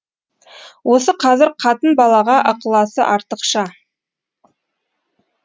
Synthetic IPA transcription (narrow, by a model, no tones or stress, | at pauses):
wo̞səqʰɑzɪɾqʰɑt̪ənbɑlˠɑʁɑʔəqəlˠɑsə̰ʔɑɾt̪əqʃə